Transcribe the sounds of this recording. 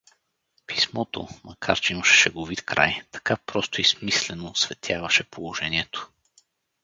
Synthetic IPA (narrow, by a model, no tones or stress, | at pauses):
pi̥smɔt̪o̰mɐkʰaɾt͡ʃɛiməʃɛ̥ʃɛɡovit̪kɾʔa̰jt̪ɐ̥kapɾɔst̪ʊismislɛnoːsvɛt̪ʰʲjavɐʃɛpolˠoʒɛnʲiɛt̪o̥